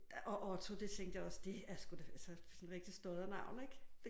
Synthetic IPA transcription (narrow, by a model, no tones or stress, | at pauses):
ʔɒ̽ʔɒt͡sʰod̥e̝t͡sʰeŋ̰d̥jaɒ̽sd̥e̝æsɡ̥ud̥e̝ælsəsɒnʁeɡ̥d̥isd̥ɔðˠɐnɑ̈ʊ̰neɡ̥d̥